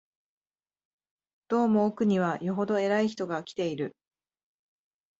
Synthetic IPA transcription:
d̪̥o̞ːmo̞ːkɯ̟ɲ̟iβ̞ajo̞ɦo̞d̪o̞e̞ɾaiçi̥t̪o̞ɡakʲi̥t̪e̞iɾɯ̟

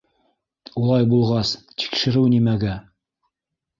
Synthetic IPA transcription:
ulˠɑjbulˠʁɑst̪i̥kʃɘ̆ɾɘwnimæɡæ

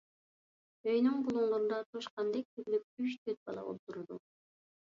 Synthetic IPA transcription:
øjnyŋbulˠuɴlˠuɾnd̪ɑt̪ʰuʃqɑnd̪ek̚t̪ʰyɾylyp̚yʃt̪ʰøɾt̪̚bɑ̰lˠɑ̰o̰lˠt̪uɾud̪ṵ

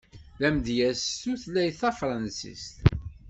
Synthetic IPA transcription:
læmd̪jæsːuθlæjθæfɾˤɑnsḭst̪

